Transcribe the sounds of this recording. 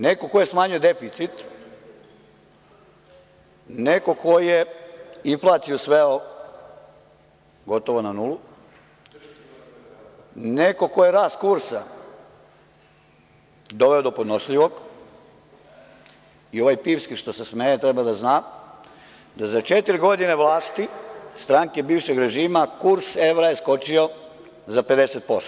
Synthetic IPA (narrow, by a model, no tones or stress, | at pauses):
nekokojesmaːɲuje̞d̪e̞fit̪sit̪ | neko̞kojijeiɱflˠaːt̪siosʋeo | ɡo̞t̪oʋonanulu | neko̞kojeɾaːst̪kuɾsa | d̪o̞ʋeod̪o̞pod̪noʃʎiʋo̞ɡ | io̞ʋajpiːʋskiʃt̪o̞sesmejet̪ɾebad̪aznaː | d̪azat͡ʃe̞t̪iɾɡo̞d̪ine̞ʋlaːst̪ist̪ɾaŋke̞biːʋʃeɡɾe̞ʒiːmakuɾse̞ʋɾajesko̞t͡ʃio̞ | zape̞d̪e̞set̪̚po̞st̪o